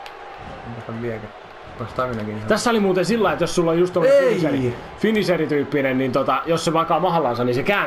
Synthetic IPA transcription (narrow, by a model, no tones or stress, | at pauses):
eŋkost̪ɑʋʋiækæ | pɑst̪ɑʋinɑkint̪æsːæolimuːt̪ensilːɑiet̪jossulːojust̪omːeiseri | finiserit̪yːpːinennint̪ot̪ɑjosseʋɑkɑːmɑhlɑnsɑnnisekæː